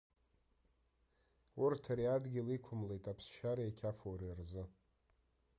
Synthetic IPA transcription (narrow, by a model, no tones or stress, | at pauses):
urtʰaɾiadɡʲɪlikʷʰʊmlejtʼapʰsʃaɾaekʲʰafowɾirzɨ